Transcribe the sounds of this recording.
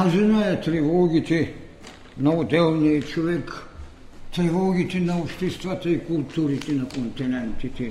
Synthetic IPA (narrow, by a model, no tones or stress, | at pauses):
ɑsinoet̪riʋoːɡit̪i | noːt̪elniːt̪t͡ʃuʋek | t̪riʋoːɡit̪inoust̪ist̪ʋɑt̪eikult̪ːuːrit̪inekont̪inænt̪ːit̪i